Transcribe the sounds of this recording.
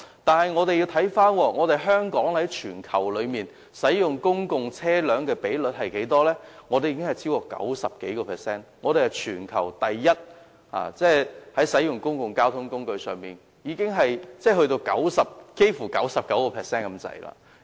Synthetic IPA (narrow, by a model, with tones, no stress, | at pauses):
t̪aː˨nɦɐ˨jŋɔː˨˧t̪e˨ji˧wtʰɐ˨˥jfaː˥nwɔː˧ŋɔː˨˧t̪e˨jɦœː˥ŋkɔː˨˥ŋhɐ˨˥jt͡ʃʰyː˨˩nkʰɐ̰˨˩wlɵ˨˧ɥmiː˨n | sɐ˨˥jjʊ˨˩ŋkʊ˥ŋkʊ˨ŋt͡sʰɛː˥lœː˨˥ŋkɛː˧pe˨˥jlɵ˨t̚hɐ˨jke˨˥jt̪ɔː˥lɛː˥ŋɔː˨˧t̪e˨jiː˧kɪ˥ŋhɐ˨˩jt͡sʰiː˥wkɔː˧kɐ̰˨˥wsɐ˨p̚ke˨˥jkɔː˧pʰɛː˨sɛː˥nŋɔː˨˧ɾe˨hɐ˨˩jt͡ʃʰyː˨˩nkʰɐ̰˨˩wt̪ɐ˨jːɐ˥t̚ | ha̰ː˨˩t͡sɛː˥˩hɐ˨˥jsɐ˨˥jʊ˨ŋkʊ˥ŋkʊ˨ŋkaː˥wt̪ʰʊ˥ŋkʊ˥ŋkɵ˧ɥsœː˨ŋmiː˨n | jiː˨˧kɪ˥ŋɦɐ˨jt͡sɛː˥˩ɦɵ˧ɥt̪o˧wkɐ̰˨˥wsɐ˨p̚ke˥jfuː˨˩kɐ̰˨˥wsɐ˨p̚kɐ˨˥wkɔː˧pʰɛː˨˩sɛː˥nkɐ˨˧mt͡sɐ̰˨˧jla̰ː˧˩